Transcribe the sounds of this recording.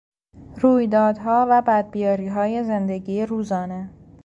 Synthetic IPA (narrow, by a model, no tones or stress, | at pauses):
ruːjd̪ɒːd̪ɦɒːvæbæd̪̚bijɒːɾiːɦɒːje̞zend̪e̞ɡiːeɾuːzɒːne